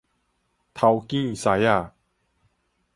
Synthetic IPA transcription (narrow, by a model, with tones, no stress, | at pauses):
t̪ʰa˧wkĩ˥˩sa˨˧˦ja˥˩